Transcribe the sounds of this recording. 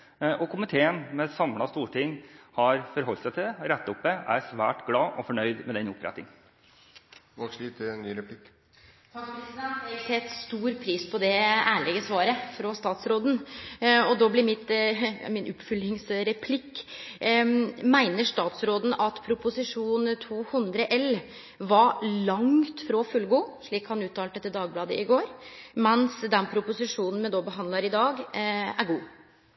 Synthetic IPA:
ʔɔkʰʊmɪt̪ʰeːənmɛsɑmlɑst̪uːʈʰɪŋːhɑɾfɔɾɦɔlːt̪sæɪt̪ʰɪɛɾɛt̪ːɑʊp̚d̪ɛæ̰ɾsʋæ̰ːʈɡlɑːʔɔfɔɳœʏd̪mɛd̪ɛnʊpʰɾɛ̰t̪ːɪŋ | ʋɑkslit̪ʰɪɛnːyːɾɛpʰlɪk | t̪ʰɑːkpɾɛsɪd̪ɛnt̪jɛɡsɛt̪ːst̪uːɾpʰɾiːspʰɔd̪ɛæːɭɛːɡəsʋɑːɾəfɾɔst̪ɑːt̪sɾoːd̪n̩ɔd̪oːblɪɾmɪt̪mɪnʔʊpːfʏlɪŋsɾɛpʰlɪkː | mæɪnəʂt̪ɑːt̪sɾoːd̪n̩ɑt̪pʰɾʊpʊsɪʂuːnt̪ʰuːhʉnd̪ɾəʔɛl | ʋɑlɑŋt̪fɾɔfʉlɡoːʂɭiːkhɑnʉːt̪ʰɑːlɛt̪ːəd̪ɑːɡblɑːd̪ə̰ʔɪɡoːɾmɛnsd̪ɛnpʰɾʊpʊsɪʂuːnn̩mɛd̪ɔbəɦɑnd̪lɑɾɪd̪ɑːɡæɾɡuː

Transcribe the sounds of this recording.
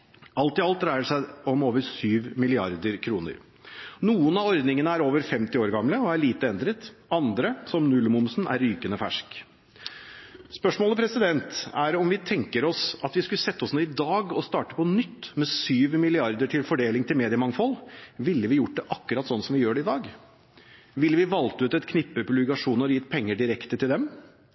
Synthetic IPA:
ɑlt̪ɪɑlt̪ɾæɪəɖʂæɪɔmoːʋəɾsyːʋmɪlɪɑɾd̪əɾkʰɾuːnə̰ɾ | nuːənɑɔɾd̪nɪŋənəæɾoːʋəɾfɛmt̪ɪoːɾɡɑmləɔæɭiːt̪əɛnd̪ɾət̪ɑnd̪ɾəsɔmnʉlmʊmsnʔæ̰ɾːyːkənəfæ̰ʂk | spœʂmoːləpʰɾɛsɪd̪ɛnt̪æɾɔmʋɪt̪ʰɛŋkəɾɔsɑt̪ʋɪskʉləsɛt̪ːəɔsnuːɪd̪ɑːɡɔst̪ɑːʈə̥pʰɔnʏt̪ːmɛsyːʋmɪlɪɑɾd̪əʈʰɪlfɔɖeːlɪŋt̪ʰɪlmeːd̪ɪəmɑŋfɔlʋɪlːəʋɪjʊʈ̚ːd̪ɛʔɑkːʉɾɑt̪sɔnːsɔmʋɪjøːɖɛɪd̪ɑːɡ | ʋɪlːəʋɪʋɑlt̪əʉːt̪ɛt̪kʰnɪpːəpʰʉlʋɪkɑʂuːnəɾɔjɪt̪ːpʰɛŋːəɖɪɾɛkt̪ət̪ʰɪld̪ɛm

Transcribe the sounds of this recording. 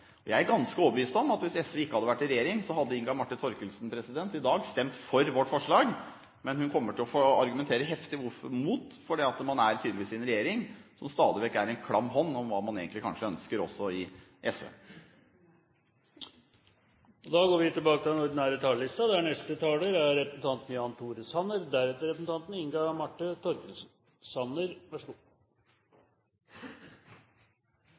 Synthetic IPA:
ɔjæɪæɾɡɑnskəoːbəʋiːst̪ɔmɑt̪ʋɪsɛsʋəɪkːəhɑd̪əʋæʈːɪɾɛjeːɾɪŋsɔɦɑd̪ːəɪŋɡɑmɑʈːɪnt̪ʰɔɾkəlsnpʰɾɛsɪd̪ɛnt̪ɪd̪ɑːɡst̪ɛmt̪fɔɾʋɔʈːfɔʂɭɑːɡ | mɛnhʉnkʰɔmːəʈʰɪlɔfoɑɾɡʉmɛnt̪ʰeːɾəɦɛft̪ɪʋʊɾfɔmuːt̪fɔɖɛɑt̪mɑnæɾt̪ʰyd̪əlɪʋiːsɪnɾɛjeːɾɪŋsɔmst̪ɑːd̪ɪʋɛkːəæɾɛnkʰɽɑmːɦɔnːɔmʋɑːmɑnḛːɡənlɪkɑ̰nʂəœnskəɾɔ̰sːɔɪ | ʔɛsø̰ː | ɔd̪ɑɡoːɾʋɪt̪ɪlbɑːkət̪ɪldɛnɔɾd̪ɪnæːɾət̪ʰɑːləlɪst̪ɑd̪ɛæɳɛst̪ət̪ʰɑːləɾæɾːɛpɾəsn̩t̪ʰɑnt̪n̩jɑːnt̪ʰuːɾəshɑnːəɾd̪æɾɛt̪ːəɾɛpɾəsn̩t̪ʰɑnt̪n̩ɪŋɡɑmɑʈːət̪ʰɔɾkən | sɑnəɾʋɑʂəɡuː

